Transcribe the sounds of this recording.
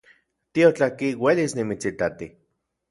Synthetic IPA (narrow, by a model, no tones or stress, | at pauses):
t̪iot͡ɬakiwelisnimit͡sit̪at̪i